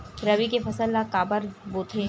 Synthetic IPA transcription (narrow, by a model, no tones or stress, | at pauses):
ɾɐʋikefɐsəlːakaːbəɾboːt̪ʰe